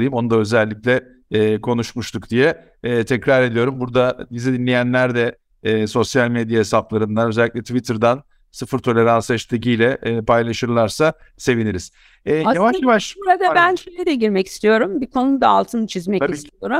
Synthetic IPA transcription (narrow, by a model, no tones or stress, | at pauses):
ɯjɯmo̞nud̪aø̞zɛlʲːicʲlʲɛː | kʰo̞nuʃmuʃt̪ʰukd̪ijɛː | t̪ʰɛcɾaɾe̞d̪ijo̞ɾumbuɾd̪ad̪izid̪inlʲejænlʲæɾd̪ɛː | so̞sjalʲmed̪jaesaplˠaɾɯnd̪anøzɛlʲːiclʲɛt̪ʰvit̪ʰɯɾd̪an | sɯfɯɾt̪ʰo̞lʲe̞ɾalˠsɛt͡ʃt̪ʰɯcijlʲɛʔːpʰajlˠaʃɯɾlˠaɾsase̞viniɾiz̥ | ɛjavaʃjavaʃuɾad̪abænʃøjlʲɛd̪ɛɟiɾmɛci̥st̪ʰijo̞ɾumbikʰo̞nud̪aalˠt̪ʰɯnt͡ʃʰizmɛcist̪ʰijoɾum